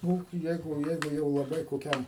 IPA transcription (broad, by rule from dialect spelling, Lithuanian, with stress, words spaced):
ˈnʊ ˈjɛɪɡʊ ˈjɛɪɡʊ jɛʊ lˠɐˈbɐɪ koːˈkʲɛm